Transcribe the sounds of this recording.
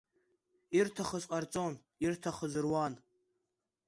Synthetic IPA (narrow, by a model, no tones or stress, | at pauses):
irtʰaχəzʼqʼart͡sʼon | irtʰaχəzɨrwan